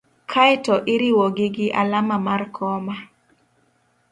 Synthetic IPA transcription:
kʰajtɔʔɪɾiwɔɡɪɡɪʔalamamarkʰɔma

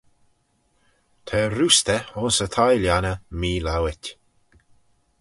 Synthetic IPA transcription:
t̪ʰɛɾust̪əɔnsət̪ʰajljanəmiːlawɪtʲ

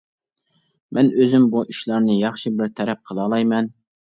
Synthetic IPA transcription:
mɛnøzymbuʔyʃlˠɑɾnɨjɑχʃɨbɪɾt̪ʰɛɾɛp̚qʰəlˠɑːlˠɑjmɛn

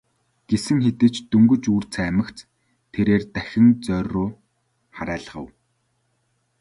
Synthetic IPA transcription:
ɡ̥esɘ̆ŋxet̪ɘ̆t͡ɕt̪ɵŋɡɵ̆t͡ɕuːr̥t͡sʰæːmə̆kt͡s | t̪ʰːeɾeːrt̪æxʲɪ̆nt͡sœroː | χaɾæːɮə̆ʁə̆w

